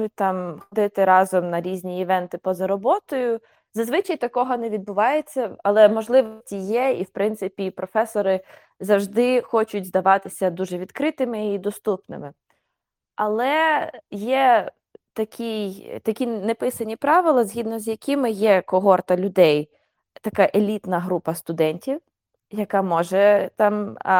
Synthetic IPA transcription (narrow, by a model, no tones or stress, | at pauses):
ʊt̚ʲt̪ɑmxɔd̪ɪt̪ɪɾɑzɔmnɐɾʲizʲnʲiɪʋɛnt̪ɪpɔzɐɾɔbɔt̪ɔjʊ | zɐzʋɪt͡ʃɐjt̪ɐkɔɦɔnɛʋʲid̪̚bʊʋɑjet͡sʲːɐɐlˠɛmɔʒlˠɪʋɔsʲtʲijɛiwpɾɪnt̪sɪpʲipɾɔfɛsɔɾɪ | zɐwʒd̪ɪxɔt͡ʃʊtʲzd̪ɐʋɑt̪ɪsʲɐd̪uʒɛʋʲid̪kɾɪt̪ɪmɪid̪ɔst̪upnɪ̰mɪ | ɐlˠɛjɛ | t̪ɐkʲijt̪ɐkʲinɛpɪsɐnʲipɾɑʋɪlˠɐzʲɦʲid̪nɔzjɐkʲɪmɪjɛkɔɦɔrt̪ɐlʲʊd̪ɛj | t̪ɐkɑʔelʲit̪nɐɦɾupɐst̪ʊd̪ɛnʲtʲiw | jɐkɑmɔʒɛt̪ɑm